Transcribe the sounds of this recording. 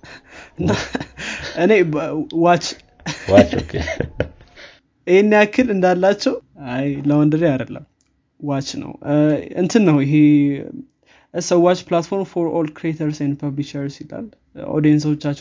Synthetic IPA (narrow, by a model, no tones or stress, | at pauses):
ɨna | ʔɨnewat͡ʃː | wat͡ʃokʰe | ihenːijakʰːɨlɨnd̪alːat͡ʃːɛwajləwɔnd̪ɨɾijad̪əlːə̰m | wat͡ʃːnə̰wɨ̰nt̪ʰɨnːəwɪɦe | ʔɨsəwːat͡ʃːplat̪fo̞ɾmfoɾolkɾiet̪ʰəɾsɛnd̪pʰəβliʃəɾsila̰l | ʔo̰d̪ijɛns̬əwot͡ʃːat͡ʃː